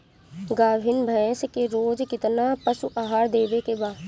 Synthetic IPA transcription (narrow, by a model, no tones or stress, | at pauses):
ɡaːbʱɪnbʱə̃skeɾoːd͡ʒkɪt̪napəsuʔaːɦaːɾd̪eːʋekebaː